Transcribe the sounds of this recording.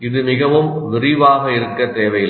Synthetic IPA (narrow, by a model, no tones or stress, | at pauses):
ɪðɯmɪɣɐʋɯmʋɪrɪʋaːɣɐɪɾɯkːɐt̪eːʋɐjɪl